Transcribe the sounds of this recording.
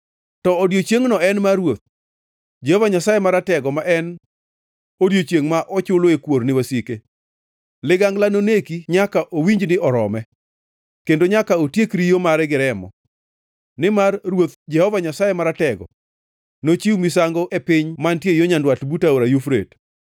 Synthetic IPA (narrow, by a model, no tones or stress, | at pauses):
tɔodjot͡ʃjeŋnɔɛnmaɾwot̪̚ | d͡ʒɛhɔvaɲasajemaɾatɛɡɔmaʔɛn | odjot͡ʃeŋmaʔɔt͡ʃʊloekwoɾnɪwasike | lɪɡaŋɡlanonekiɲakaʔowiɲd͡ʒnɪʔɔɾɔmɛ | kendoɲakaotjekɾijomaɾɛɡɪɾɛmɔ̰ | nɪmarrwot̪d͡ʒɛhɔvaɲasajemaɾatɛɡɔ̰ː | ot͡ʃiumisaŋɡoʔepɪɲmantjejoɲandwatbutaoɾajufɾḛt